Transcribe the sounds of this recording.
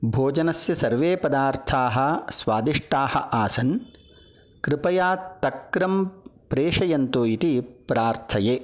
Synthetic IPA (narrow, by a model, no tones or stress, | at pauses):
bʱoːd͡ʒɐnɐsjɐsɐɾʋeːpɐd̪aːɾt̪ʰaːɦɐ̆sʋaːd̪iʂʈaːhɐ̰ʔaːsɐn | kɾɪpɐjaːt̪ɐkɾɐmpɾeːʂɐjɐnt̪oːit̪ipɾaːɾt̪ʰɐjeː